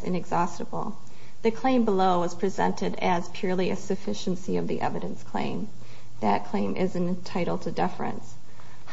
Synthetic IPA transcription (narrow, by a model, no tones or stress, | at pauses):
zɨ̰̃nɨɡzɑstəbl̩ˠ | ðɨkʰl̥ẽɪ̃mbəloʊwʌz̥pʰɹ̥izɛ̰̃ntʰɨɾɨz̥pʰj̥ʊɹlˠiɨsɨfɪʃɨ̃n̩siʌvðḭʔɛ̰vɨɾɨ̃nskʰl̥ḛ̃ɪ̃m | ðɨt̚kʰl̥ẽɪ̃mʔɪzɨ̃ntʰaɪɾl̩ˠtʰɨdɪfɨ̰̃ns